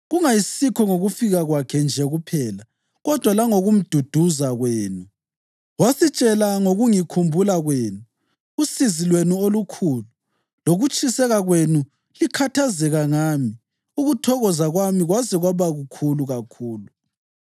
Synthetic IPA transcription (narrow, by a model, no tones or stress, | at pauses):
ɣuŋajisikʰɔŋoɣufiɣaɣwakʰɛnd͡ʒʱɛɣupʰɛːla | ɣɔd̥ʱwalaŋoɣum̩d̥ʱud̥ʱuzaɣweːnu | wasit͡ʃʼɛlaŋoɣuŋikʰumbʱulaɣweːnuː | sizilwenuolukʰuːlu | loɣut͡ʃʼʰisɛɣaɣwenu | likʰatʰazɛɣaŋami | uɣutʰɔɣɔzaɣwamiɣwazɛɣwaβaɣukʰuluɣakʰuːlu